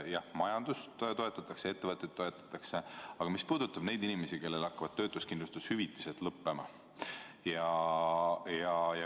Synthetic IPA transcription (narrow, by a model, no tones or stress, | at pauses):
jɑhmɑjɑnd̪ust̪t̪o̞e̞t̪ːˑɑt̪ːˑɑksee̞t̪ːe̞vɤt̪ːˑet̪ːo̞e̞t̪ːˑɑ̥t̪ːˑɑkse̞ɑɡ̥ɑmispuːd̪̥ut̪ːˑɑb̥ne̞jd̪inime̞sike̞lːe̞lɑkːɑvɑd̥̪̚t̪ø̞ːt̪ːˑuskind̪lust̪ushyvit̪ːˑi̥selt̪lɤpːe̞mɑ̰ | jɑ | jɑjɑ